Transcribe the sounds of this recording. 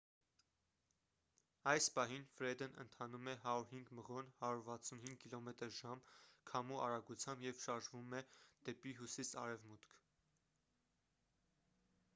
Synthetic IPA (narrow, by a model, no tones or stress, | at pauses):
ɑjspɑɦinfɾɛd̪ənʔə̰nt̪ʰɑnumɛɦɑɾuɾɦiŋɡməʁɔnhɑɾuɾvɑt͡sʰunɦiŋɡkilɔmɛt̪əɾʒɑmkʰɑmuʔɑɾɑɡut͡sʰjɑmbjɛvʃɑɾʒvumɛd̪̥ɛpiɦusisɑ̰ɾɛvmut̪kʰ